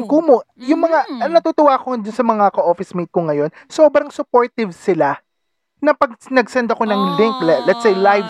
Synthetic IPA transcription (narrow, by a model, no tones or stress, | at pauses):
ŋkumojʊŋmɐŋanɐt̪ut̪ʊwaːkod̪ʊnsɐmɐŋakɐʔo̞fɪsmit̪̚koŋɐjo̞nso̞ːbɾɐŋsʊpo̞ɹt̪ɪvsɪla | nɐpɐɡ̚nɐɡsɐnd̪ɐko̞nɐŋlɪŋklɛlɛt̪sejlajv